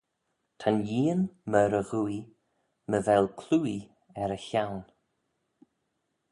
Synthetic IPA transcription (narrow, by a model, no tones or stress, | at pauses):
tʰanjiːənməɾəɣui | məvɛlˠkʰluːi | ɛɾəçawn